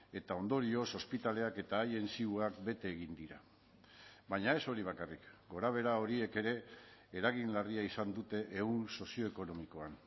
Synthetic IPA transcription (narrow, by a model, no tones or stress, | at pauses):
e̞t̪ao̞nd̪o̞ɾio̞so̞spit̪ale̞ake̞t̪aːje̞nsiuakbe̞t̪e̞ːɣind̪iɾa | baɲae̞so̞ɾiβ̞akarikɡo̞ɾaβ̞e̞ɾao̞ɾie̞ke̞ɾe̞ːɾaɣ̞inlariaisand̪ut̪e̞ʔːunso̞sio̞eko̞no̞miko̞an